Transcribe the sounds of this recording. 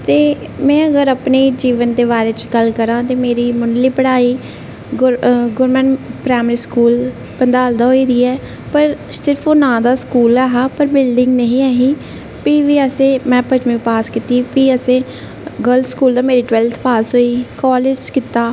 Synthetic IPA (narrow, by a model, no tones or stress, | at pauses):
t̪eː | mɛ̃ːəɡəɾəpneːd͡ʒiːʋənd̪eːβaːɾeːt͡ʃɡəlkəɾãːt̪eːmeːɾiːmʊɳɖliːpəɽaːiː | ɡɡʊɾmənpɾaːmɾiːskuːl | pənd̪aːld̪aːɦoːiːd̪iːɛː | pəɾsɪɾpʰoːnãːd̪aːskuːlaːɦaːpəɾbɪlɖɪŋɡnəɦĩːaːɦĩː | piːʋiːəsẽːmɛ̃ːpət͡ʃmĩːpaːskit̪iːpiːəsẽː | ɡəlskuːld̪aːmeːɾiːʈʋɛːlt̪ʰpaːsɦoːiːkɔːlɪd͡ʒkɪt̪aː